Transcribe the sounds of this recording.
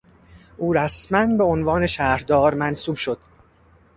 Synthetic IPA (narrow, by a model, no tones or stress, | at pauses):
ʔuːɾæsmænbe̞onvɒːne̞ʃæːɾd̪ɒːɾmænsuːbʃod̪̥